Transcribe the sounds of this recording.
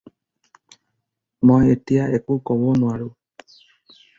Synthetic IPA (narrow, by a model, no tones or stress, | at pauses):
mɔjetijaʔekukɔbɔnũaɹu